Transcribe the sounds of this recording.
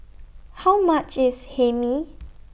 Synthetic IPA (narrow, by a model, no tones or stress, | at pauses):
hawmat͡ʃishɛmi